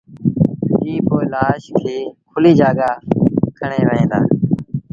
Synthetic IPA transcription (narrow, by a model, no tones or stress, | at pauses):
iːpoːɪlaːʃkʰeːkʰʊliːd͡ʒaːɡaːkʰəɳeːʋəɦẽːd̪a̰ː